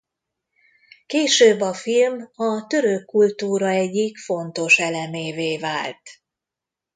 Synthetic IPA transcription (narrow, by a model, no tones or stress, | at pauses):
keːʃøːbːɒfilmɒt̪ø̞ɾøkːult̪uːɾɒɛɟːikfo̞nt̪o̞ʃɛlɛmeːveːvaːlt̪